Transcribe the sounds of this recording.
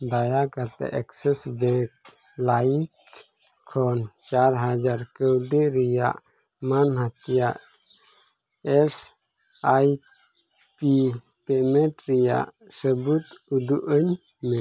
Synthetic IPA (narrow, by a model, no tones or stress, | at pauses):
d̪ajakat̪ɛ̰ʔɛksɛsbɛk̚ | laikʰː | ɔnt͡ʃaɾɦad͡ʒaɾkəwɖeɾija̰ʔ | manɦat̪ijaʔ | ɛs | aj | pi | pɛmɛʈɾija̰ʔ | səbut̪ud̪uʔəɲ | mɛ